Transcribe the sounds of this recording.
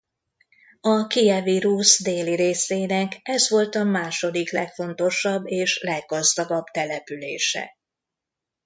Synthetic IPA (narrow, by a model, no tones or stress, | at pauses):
ɒkiɛviɾusd̪eːliɾeːseːnɛkɛzʋo̞lt̪ɒmaːʃo̞d̪iklɛkfo̞nt̪o̞ʃɒbːeːʃlɛɡːɒzd̪ɒɡɒbt̪ɛlɛpylḛːʃɛ̰